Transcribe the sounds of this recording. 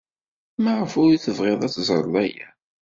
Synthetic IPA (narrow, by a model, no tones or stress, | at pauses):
maʁəfʊɾiθəvʁeðˤæt͡sːzˤɾˤəlæjæ̰